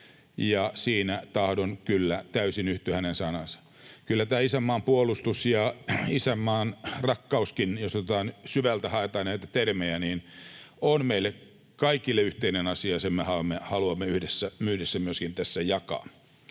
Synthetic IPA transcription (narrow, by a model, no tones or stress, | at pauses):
jɑsiːnæt̪ɑhdonkylːæt̪æysinyht̪yhænensɑnɑnsɑ̥ | kylːæt̪æːisæmːɑːmpuolust̪usjɑisæmːɑːnrɑkːɑuskinjost̪ot̪ɑːnsyʋælt̪æhɑet̪ɑːnæit̪æt̪ermeæniːnonmeilːek | kɑikilːeyht̪einenɑsiɑsemmehɑɑmːehɑluɑmːeyhdesːæmyːdesːæmyøskint̪æsːæjɑkɑ̰ː